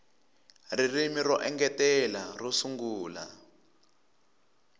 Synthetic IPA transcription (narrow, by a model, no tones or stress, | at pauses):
ririmirɔʔɛŋɡɛtɛlarɔsuŋɡuːla̰